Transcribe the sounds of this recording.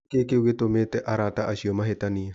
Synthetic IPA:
kekeɡet̪omet̪ɛʔaɾataʔasiɔmaɦet̪ania

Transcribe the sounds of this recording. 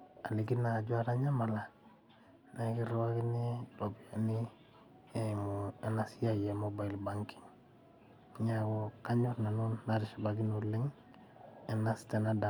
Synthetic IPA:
aliɡinaɟuaɾaɲamala | nakiɾwakiniɾobiani | emuenasijajemobailbaŋki̥ŋ | ɲaɡokaɲuɾnanunːaɾiʃabaɡinuliŋ | enastanada

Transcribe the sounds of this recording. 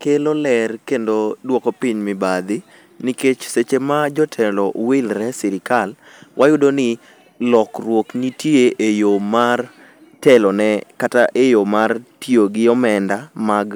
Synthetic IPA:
kelolɛrkendodwokopiɲmɪbad̪ɪ | niket͡ʃset͡ʃemad͡ʒɔtʰɛlɔwɪlɾɛsɪɾɪkal | wʔajʊdonɪ | lɔkrwoknitjeʔejomar | tɛlɔnɛkataʔejomartjoɡɪɔmɛndamaɡ

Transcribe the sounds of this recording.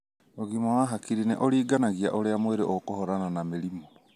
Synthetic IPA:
oɣimawaɦakiɾinɛʔoɾiːɡanaɣiaʔoɾeamoweɾeʔokohɔɾananameɾimo

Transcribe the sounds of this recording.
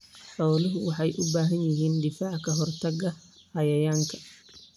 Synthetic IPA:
ħɔːlɪɦʊwɑħɑjʔʊbaːɦɐnjɪɦiːnɖɪfaːʕkʰɐɦɔrt̪ʰɐɡɐ | hɐjɐjaːŋkʰɐ̥

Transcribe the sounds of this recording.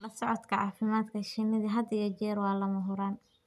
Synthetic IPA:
lɐsɔʕɔd̪kʰɐʕɑːfɪmaːd̪kʰɐʃɪnɪðɐɦɐd̪ɪjɔt͡ʃɛːɾwɑːlɐmɐɦʊɾaːn

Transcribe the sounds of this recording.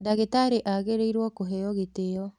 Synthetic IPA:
daɣetaɾeʔaɣeɾeiɾwɔkoɦɛjɔɣeteɔ

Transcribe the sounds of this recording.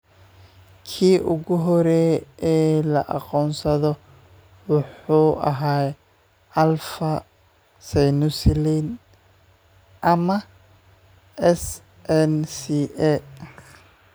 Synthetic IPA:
kʰiːʔʊɣʊɦɔɾɛːɛːlɐ̰ʔɑqɔːnsɐðɔ | wʊħuːʔɐ̰ɦaː | ɐlfɐ | sɛjnuslin | ʔɐmɐ | ʔɛs | ʔɛnsiʔɛ

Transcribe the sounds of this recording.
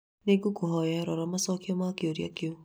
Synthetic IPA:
neɡukuɦɔjaɾɔɾɔmasɔkiomakioɾja̰kio

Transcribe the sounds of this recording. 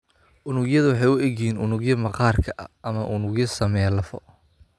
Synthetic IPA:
ʔʊnʊɡjɐðɐwɑħɑjʊʔɛɣɛjiːnʔʊnʊɣjɐmɐqɑːrkʰɐʔɐʔɐmɐʔʊnʊɣjɐsɐmɛlɐfɔ̰

